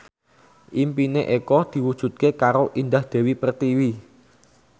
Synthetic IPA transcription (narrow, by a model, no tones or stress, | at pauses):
ʔimpineʔekɔd̪̥i̤wud̥ʒ̥ṳt̪̚kekaɾoʔind̪ahd̪̥e̤wipərt̪iwi